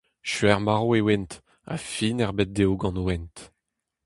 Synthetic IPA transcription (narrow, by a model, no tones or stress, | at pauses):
ʃɥɛʁmaʁoewɛnt | a̰finɛʁbɛt̚d̪eoɡɑ̃noɛnt